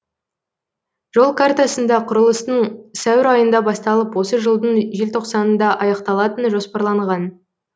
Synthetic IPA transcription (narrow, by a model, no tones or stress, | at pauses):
ʒ̥o̞lˠkʰart̪asənd̪ɑqʰʊɾəlˠəst̪əɴsæwɪɾɑjənd̪ɑbɑst̪ɑlˠəpwo̞səʒəlˠd̪əɴʒe̞lt̪ʰo̞qsɑnənd̪ɑʔɑjɑqt̪ɑlˠɑt̪ənʒo̞spɑɾlˠɑɴʁɑn